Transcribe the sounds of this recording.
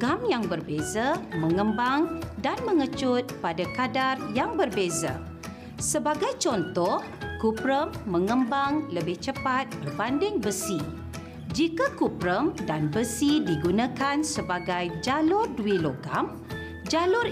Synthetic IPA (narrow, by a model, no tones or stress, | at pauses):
ɡamjaŋbərbezamə̃ŋəmbaŋdanmə̃ŋət͡ʃʊt̪̚padakadarjaŋbərbeza̰ | səbaɡajt͡ʃɔnt̪ɔhkupɾəmːə̃ŋəmbaŋləbɪht͡ʃəpat̪̚bərbandɪŋbəsi | d͡ʒikakupɾəmdanbəsidiɡunãkansəbaɡajd͡ʒalʊrduiloɡam | d͡ʒalʊr